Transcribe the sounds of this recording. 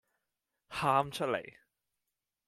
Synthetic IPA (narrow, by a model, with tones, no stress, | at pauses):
haː˥mt͡ʃʰɵ˥t̚lḛ˨˩j